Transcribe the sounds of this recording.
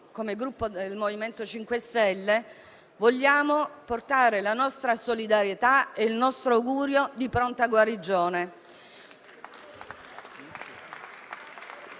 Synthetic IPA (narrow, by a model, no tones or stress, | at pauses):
komeɡɾupːod̪elmoviment̪ot͡ʃiŋkwest̪ɛlːe | voʎːaːmoport̪aːɾelanɔst̪ɾasolid̪aɾjet̪aeilnɔst̪ɾoawɡuːɾjod̪ipɾont̪aɡwaɾid͡ʒːoːne